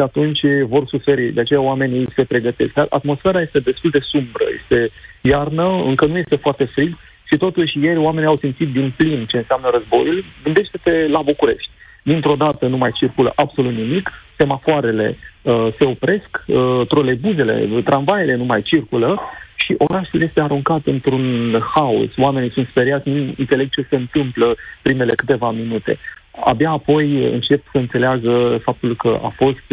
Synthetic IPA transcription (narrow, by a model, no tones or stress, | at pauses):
at̪unt͡ʃʲvo̞rsufe̞ɾid̪eat͡ʃe̞jaoame̞nʲijse̞pɾe̞ɡət̪e̞sk̪aʔa̰t̪mo̞sfe̞ɾaje̞st̪e̞d̪e̞st̪uld̪e̞sumbɾə̰jḛst̪e̞jarnəɨŋkənujest̪e̞foart̪e̞fɾiɡ | ʃit̪o̞t̪uʃʲje̞rʲoame̞niawsimt̪sit̪̚d̪inplint͡ʃe̞ɨnseamnəɾəzbo̞̰julɡɨnd̪e̞ʃt̪e̞t̪e̞labukuɾe̞̰ʃt̪ʲ | d̪int̪ɾo̞d̪at̪ənumajt͡ʃirkulə̰ʔabso̞lut̪nimikse̞mafoaɾe̞le̞̰əse̞o̞pɾe̞skət̪ɾo̞le̞buze̞le̞̰t̪ɾʔanvajele̞numajt͡ʃirkuləʃiʔo̞ɾaʃulje̞st̪eaɾuŋkat̪ɨnt̪ɾunhaṵswame̞nisunt̪spe̞ɾiat̪sʲnuɨ̰nt̪se̞le̞ɡ̚t͡ʃe̞se̞ɨnt̪ɨmpləpɾime̞le̞kɨt̪e̞vaminut̪e̞̰ | a̰bjaːpo̞jɨ̰nt͡ʃe̞psəɨnse̞leaɡəfap̚t̪ulkəʔa̰fo̞st̪